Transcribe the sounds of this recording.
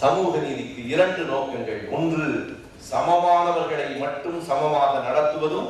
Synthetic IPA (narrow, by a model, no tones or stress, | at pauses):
sɐmuːɣɐniːðɪkːɯɪɾɐɳɖɯnoːkɛŋɡɐɭɔndrɯ | sɐmɐmaːnɐʋɐɾɣɐɭɐɪmɐʈːɯmsɐmɐmaːɣɐnɐɽɐt̪ːɯʋɐðɯm